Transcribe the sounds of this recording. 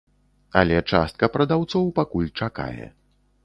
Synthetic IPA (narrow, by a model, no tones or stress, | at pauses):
a̰lʲɛt͡ʂa̰st̪̚kɐpɾɐd̪awt̪sɔwpakulʲt͡ʂaka̰jɛ̰